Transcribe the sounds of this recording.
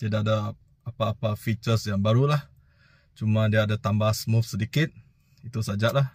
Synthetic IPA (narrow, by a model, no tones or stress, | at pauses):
t̪idaada | apaːpafit͡ʃərsjaŋbaɾulah | t͡ʃumadiaːdat̪ambasmufsədikɪt̪̚ | it̪usad͡ʒaʔlah